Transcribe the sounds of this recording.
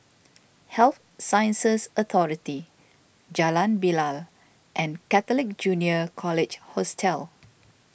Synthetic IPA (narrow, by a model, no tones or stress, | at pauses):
hɛlθ | sajə̃nsəsət̪ʰɔɹiti | d͡ʒalãnbilal | ʔɛ̃nkɛt̪əlɪk̚d͡ʒuniəkʰɔlɪd͡ʒhɔstʰɛl